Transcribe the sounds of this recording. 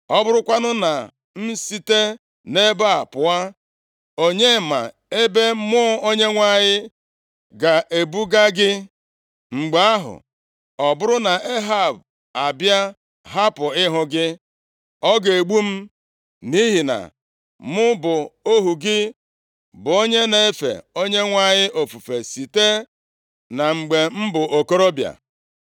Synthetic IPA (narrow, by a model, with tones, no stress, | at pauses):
ɔ˦bʊ˦ɾʊ˦kʷa˦nʊ˦na˨ | m̩˦si˦te˦ | ne˦ba˦a˨pʊ˨a˦ | o˦ɲe˦˨ma̰˨ | e˦be˦mʊ˦o˦ɲe˦ŋʷa˦˨ɲɪ˦ | ɡa˨ʔe˨bu˦ɡa˦ɡɪ˦ | ŋ͡m̩˨ɡ͡ba˨˦a˦ɦʊ̰˨ | ɔ˨bʊ˦ɾʊ˦na˨ʔe˦ɦa˦˨b̚ | a˨bja˦ | ɦa˦pʊ˨ɪ˦ɦʊ˦ɡɪ˦ | ɔ˦ɡe˨ɡ͡bu˦m̩˦ | ni˦ɦi˨na̰˨ | mʊ˦bʊ˨o˦ɦu˨ɡɪ˦ | bʊ˨o˦ɲe˦ne˨e˦fḛ˨o˦ɲe˦ŋʷa˦ɲɪ˦ʔo˨fu˨fe˨si˨te˦ | na˨ŋ͡m̩˨ɡ͡be˨m̩˦bʊ˨ʔo˨ko˦ɾo˦bja̰˨